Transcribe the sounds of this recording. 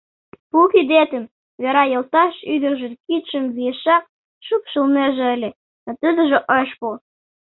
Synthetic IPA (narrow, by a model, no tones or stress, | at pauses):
pukid̪et̪ə̆m | βeɾɑjə̆lt̪ɑʃyd̪ə̆rʒə̆nkit̪ʃə̆mβijeʃɑq̚ | ʃukʃəlmeʒĕəlʲĕ | not̪əd̪ə̆ʒĕʔəʃpu